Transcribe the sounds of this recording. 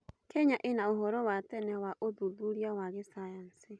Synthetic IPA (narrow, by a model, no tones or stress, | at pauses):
kʰɛɲaʔenaoɦɔɾɔwatɛnɛwaʔoðuðuɾiawaɣesajansi